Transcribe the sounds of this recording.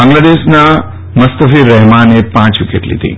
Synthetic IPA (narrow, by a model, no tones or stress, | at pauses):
bãŋɡladeʃna | məst̪əfiɾɛɦmanepãt͡ʃʋikḛʈlḭt̪ʰḭ